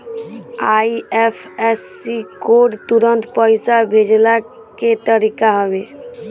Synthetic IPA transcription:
aːiɛpʰɛsːikoːɖt̪ʊɾə̃nt̪pəɪsabʱeːd͡ʒla | ket̪əɾikaɦəʋeː

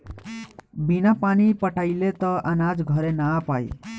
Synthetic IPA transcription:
binapanipʌʈʰajlet̪ʌʔənad͡zɡʱʌɾenapaj

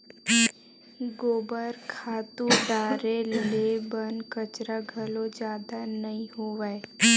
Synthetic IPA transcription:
ɡoːbəɾkʰaːt̪ud̪aːɾellebənkət͡ʃɾaɡʱəlod͡ʒjaːd̪anɐɦĩɦoːʋae

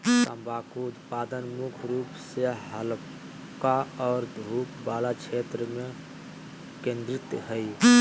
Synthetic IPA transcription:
t̪a̰mbakuut̪pad̪ənmukʰɾupseɦəl | kaɔːɾd̪ʱupbalat͡ʃʰet̪ɾəme | kẽnd̪ɾit̪ɦəj

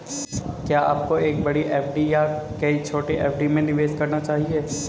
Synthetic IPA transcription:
kjaːa̰ːp̚koeːk̚bɐɽiʔɛːpʰɖijakɐit͡ʃʰoːʈeʔɛ̰ːpʰɖimẽnɪʋeːd͡ʒkɐɾnat͡ʃaːɦieː

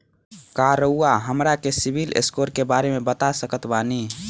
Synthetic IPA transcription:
kaɾəuːaɦəmɾakesibilḛskoːɾkebaːɾemebət̪asəkət̪bani

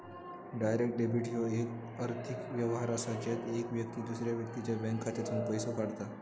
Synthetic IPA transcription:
ɖajɾek̚ʈ̚ɖebiʈijoek | əɾt̪ʰikʋjəʋɦaɾasat͡ɕet̪ekʋjəkt̪iːd̪usɾjaʋjək̚t̪it͡ɕjabɛ̃ŋkʰːat̪et͡s̪ũpəjsokaɽt̪a

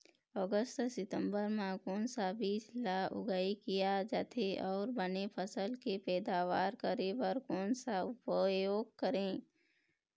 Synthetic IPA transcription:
ɔːɡəst̪sɪt̪ə̃mbəɾmãkoːnsabiːslaʊ̰ɡaːikijad͡ʒaːt̪ʰeʔɔːɾbənepʰəsəlkepɛːd̪aːʋaːɾkəɾebəɾkoːnsaʊpəjoːɡ̚kəɾẽː

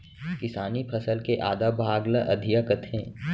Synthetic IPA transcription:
kɪsaːnipʰɐsəlkeʔaːd̪abʱaːɡləʔɐd̪ʱijəkət̪ʰẽː

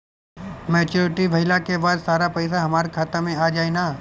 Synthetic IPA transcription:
mɛːt͡ʃuːɾɪʈiʋʱɐɦɪlakebaːd̪saːɾapɐɪsaɦɐmaːɾkʰaːt̪ãmẽaːd͡ʒaːenaː

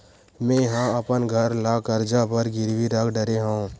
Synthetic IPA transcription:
mɛ̃ːjɦãɐpənɡʱəɾlaːkəɾd͡ʒapəɾɡɪɾwiɾakʰɖəɾeɦõː

